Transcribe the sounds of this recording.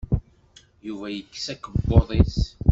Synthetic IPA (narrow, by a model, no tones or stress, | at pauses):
juvæjəkːsækːəbːoðˤes